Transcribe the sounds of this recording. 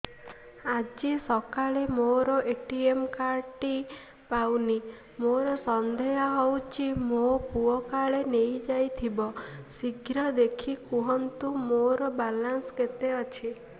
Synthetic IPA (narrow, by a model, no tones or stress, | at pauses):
ad͡ʒisɔkaɭemoɾɔʔeʈiemkaɾʈi | pawni | moɾɔsɔnd̪ʱejɔɦɔwt͡ʃʰimopuɔkaɭenejd͡ʒajt̪ʰibɔsiɡʱɾɔd̪ekʰikuɦɔnt̪umoɾɔbalansket̪eɔt͡ʃʰi